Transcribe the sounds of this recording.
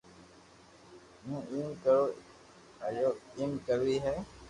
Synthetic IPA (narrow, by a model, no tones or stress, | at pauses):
mũːʔiːmkəɾoː | əjoːiːmkəʋiːɦɛː